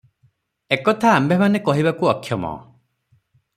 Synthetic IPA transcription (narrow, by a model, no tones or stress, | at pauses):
ekɔt̪ʰaːmbʱemanekɔɦibakuɔkʰːjɔmɔ̰